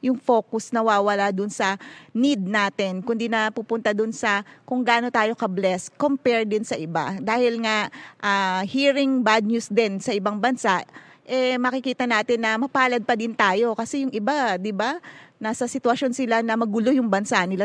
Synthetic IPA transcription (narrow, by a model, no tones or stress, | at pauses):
jʊŋfo̞ːkʊsnɐwaːwɐlad̪ʊnsɐnid̪̚naːt̪ɪnkʊnd̪inɐpupʊnt̪ɐd̪ʊnsɐkʊŋɡaːno̞t̪aːjo̞kɐblɛskompɛɹd̪ɪnsɐʔɪba̰d̪aːhɪlŋaʔaːhiːɾɪŋbad̪̚ɲusd̪ɪnsɐʔɪbaŋbɐnsaʔ | ʔɛmɐkɪkiːt̪ɐnaːt̪ɪnːɐmɐpaːlɐd̪̚pɐd̪ɪnt̪aːjo̞kɐsɛjʊŋʔɪbad̪ɪbanasɐsɪt̪wɐʃjo̞nsɪlanɐmɐɡʊlojʊŋbɐnsanɪla